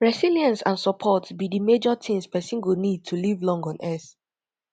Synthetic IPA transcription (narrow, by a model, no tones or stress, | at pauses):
ɹɛsiliãnsãnsɔpʰɔtbidimed͡ʒɔtʰĩmspɛsĩŋɡunid̚tʰulivlɔ̃ŋɡɔ̃nʔɛθ